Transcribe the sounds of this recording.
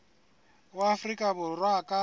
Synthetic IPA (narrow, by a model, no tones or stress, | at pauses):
waːfrikʼaβʊrwakʼa